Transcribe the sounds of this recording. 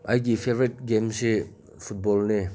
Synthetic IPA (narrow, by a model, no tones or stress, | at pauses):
ajɡifʰevɹit̚ɡemsi | fʰut̚bɔlne